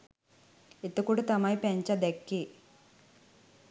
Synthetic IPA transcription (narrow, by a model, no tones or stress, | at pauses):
it̪ːukuʈut̪ɐmajipeɲt͡ʃɐd̪ekːi